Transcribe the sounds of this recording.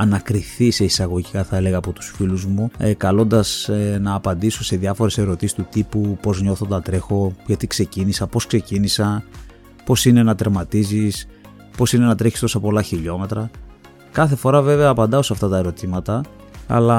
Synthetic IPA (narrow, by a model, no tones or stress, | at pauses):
ɐnɐkɾiθise̞isɐɣo̞ʝikɐθɐe̞le̞ɣɐːpo̞t̪u̥sfiluzmukɐlo̞nd̪ɐsnɐːpɐnd̪iso̞se̞ðjɐfo̞ɾe̞se̞ɾo̞t̪isist̪ut̪ipupo̞zɲo̞θo̞t̪ɐt̪ɾe̞xo̞ʝɐt̪ikse̞cinisɐpo̞skse̞cinisɐ | po̞sine̞nɐt̪eɾmɐt̪izis | po̞sine̞nɐt̪ɾe̞çi̥st̪osɐpo̞lɐçiʎo̞me̞t̪ɾɐ | kɐθe̞fo̞ɾɐve̞veɐːpɐnd̪ɐo̞sɐft̪ɐt̪ɐe̞ɾo̞t̪imɐt̪ɐ | ɐ̰lɐ